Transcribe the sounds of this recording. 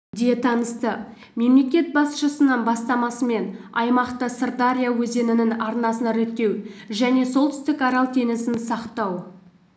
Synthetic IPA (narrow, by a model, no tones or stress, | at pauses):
d̪eet̪ʰɑnəst̪ə | me̞mle̞kʲe̞t̪̚bɑsʃəsənənbɑst̪ɑmɑsəme̞nɑ̰jmɑqt̪əsərd̪aɾʲijawɵze̞nɪnɪŋɑɾnɑsənɑɾet̪ːe̞wʒæne̞solˠt̪ʏ̥st̪ɪkɑɾɑlˠt̪ʰe̞nɪsɪnsɑqt̪ɑw